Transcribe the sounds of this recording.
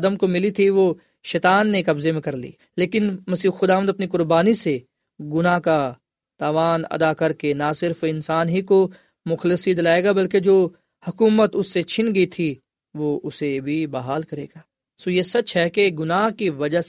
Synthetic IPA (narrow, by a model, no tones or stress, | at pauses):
d̪əmkomɪlit̪ʰiʋo | ʃɛːt̪aːnːekɐbzemẽkɐɾlḭː | leːkɪnmɐsiːxʊd̪aːʋənd̪ɐpnikʊɾbaːnise | ɡʊnaɦka | t̪aːʋaːnɐ̰d̪akɐɾkenasɪɾfɪ̃nsaːnɦiko | mʊxlɪsid̪ɪlaːeːɡabɐlked͡ʒoː | hɐkuːmət̪ʊsːet͡ʃʰɪnɡɐit̪ʰi | ʋoʊsebʱibaɦaːlkɐɾeːɡaː | soːjesɐt͡ʃɦɛkeɡʊnaːɦkiʋɐd͡ʒaɦ